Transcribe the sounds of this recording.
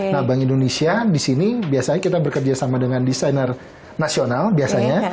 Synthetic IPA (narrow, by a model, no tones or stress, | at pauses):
nahbaŋindonesiadisinibiasaɲakit̪abərkərd͡ʒasamadəŋandisajnər | nasionalbiasaɲa